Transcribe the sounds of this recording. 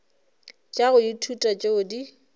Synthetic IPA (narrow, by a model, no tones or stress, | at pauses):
t͡ʃʼaɣʊditʰutʼat͡ʃʼeʊdi